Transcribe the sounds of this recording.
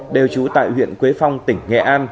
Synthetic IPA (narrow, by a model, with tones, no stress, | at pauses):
ɗe˨˩wt͡ɕu˨˦t̪a̰ː˧˨jhwḭ˧˨ənkwe˨˦fa˧wŋ͡mt̪ï˧˩ŋ̟ŋɛ̰˧˨ʔaː˧n